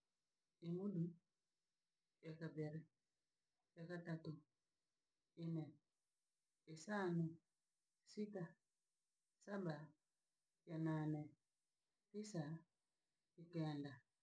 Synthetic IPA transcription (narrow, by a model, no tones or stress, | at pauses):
imuɗu | akabɛɾɛ | akatatu | inɛ | ɛsanu | sita | saba | jananɛ | tisa | ikɛnda